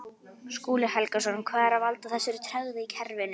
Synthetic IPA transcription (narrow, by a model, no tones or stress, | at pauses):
skuːlɪhɛlkasvɔnʏmkʰvaːðɛɾavalt̪aθɛsːɪɾʏt̪ʰɾœɣðɪicʰɛɾvɪnʏ